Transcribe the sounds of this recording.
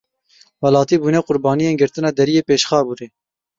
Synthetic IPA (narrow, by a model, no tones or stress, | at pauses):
wɛlɑːt̪iːbuːnɛqʊɾbɑːnijenɡɨɾt̪ɨnɑːd̪ɛɾijeːpeːʃxɑːbuɾeː